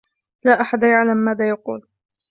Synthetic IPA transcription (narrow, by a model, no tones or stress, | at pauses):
laːʔaħad̪jaʕlamːaːðaːjɑqṵːl